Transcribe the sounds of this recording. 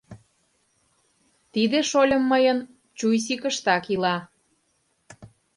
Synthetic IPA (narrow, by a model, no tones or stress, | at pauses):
t̪id̪eʃolʲəmːəjən | t͡ɕujs̬ikəʃt̪ɑkilɑ